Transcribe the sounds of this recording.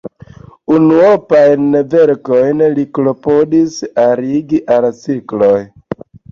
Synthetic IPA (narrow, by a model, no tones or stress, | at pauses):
unuopajnveɾkojnliklo̞podisaɾiɡiʔalt͡sikloj